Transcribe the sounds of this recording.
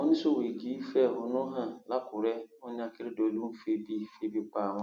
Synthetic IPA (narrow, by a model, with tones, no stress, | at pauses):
ʊ˦nɪ̃˦so˦˨we˨ɡi˨˦fɛ˦˨hʊ˨nʊ˦ɦã˨la˦kʰʊ˨ɾɛ˦ʊ̃˦ɲ˦a˦kɪ˦ɾɪ˦dɔ˨du˦mʊ˦fe˦bi˦fe˦bi˦k͡pa˦˨ã˦